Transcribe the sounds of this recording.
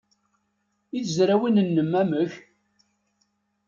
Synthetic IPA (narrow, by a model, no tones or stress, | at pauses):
iθzɾæwinənːəmːæməç